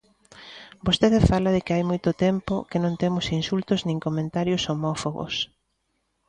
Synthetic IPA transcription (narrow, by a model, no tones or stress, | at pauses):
bost̪eðɪfalɐðɪkɪajmojt̪ʊt̪empʊkɪnõŋt̪emʊsinsult̪ʊznĩŋkomẽnt̪aɾjʊsomɔfoɣo̰s